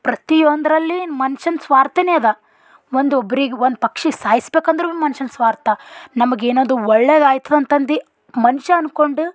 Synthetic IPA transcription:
pɾɐt̪ijond̪ɐɾɐlːimɐnʃɐnsʋaːɾt̪ɐneɐd̪ɐ | ʋond̪ɔbːɐɾiɡeond̪upɐkʂiɡsaːjisbeːkɐnd̪ɐɾumɐnʃɐnsʋaːɾt̪ɐnɐmɐɡeːnoːd̪uɔɭːeːd̪aːjt̪ɐd̪ɐnt̪ɐnd̪i | mɐnuʃɐɐnko̞ɳɖu

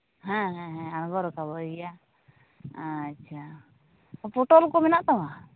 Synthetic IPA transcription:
ɦɛ̃ɦɛ̃ɦɛ̃anɡɔɾɔkabɔja | tːʃʰa | ɔpʰoʈɔlkɔmɛnaʔt̪awa

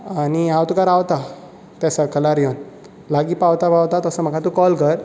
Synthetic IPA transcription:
añiawt̪ukaɾawt̪a | t̪asakʰəlaɾjon | laɡiːpawt̪abawt̪at̪əsəm̤əkʰat̪ukɔlkəɾ

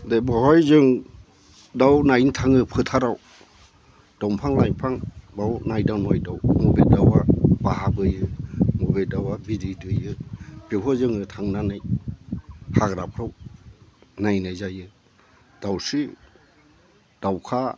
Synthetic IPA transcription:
debɔhɔjzɯŋ | dawnajntʰaŋɯpʰɯtʰaɾaw | d̥ɔmpʰaŋlajpʰaŋbawnajdawnɔjdawmɔbedawabahabɯjɯmɔbedawabididɯjɯb̥ehʰɔzɯŋɯtʰaŋnanɯj | haɡɾapʰɾɯw | najnajzajɯ | d̥awsi | d̥awkʰa

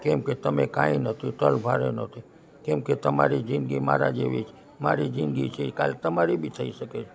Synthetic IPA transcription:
kɛmket̪əmekãinət̪ʰit̪əlbʱaɾenət̪ʰi | kɛmket̪əma̰ɾid͡ʒɪnɡima̰ɾad͡ʒeʋḭt͡ʃʰe | maɾid͡ʒɪnd̪ɡit͡ʃʰeka̰lt̪əmaɾibʱit̪ʰəiʃəket͡ʃʰ

